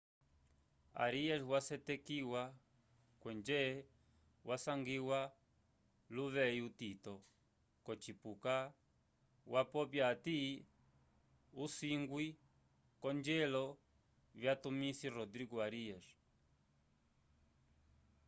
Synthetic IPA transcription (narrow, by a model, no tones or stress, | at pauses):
a̰ɾiɛʃwasɛtɛkiwa | kwɛnd͡ʒɛ | wʔasaŋɡiwa | luβɛiutitɔ | kɔt͡ʃipuka | wapɔpjati | usiŋɡwi | kɔnd͡ʒɛlɔ | βjatumisirɔd̪ɾiɡuaɾiɛʃ